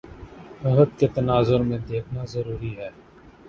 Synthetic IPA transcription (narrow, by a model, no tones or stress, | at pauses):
əɦəd̪̚ket̪ənaːzʊɾmẽd̪eːkʰnazəɾuːɾiɦɛː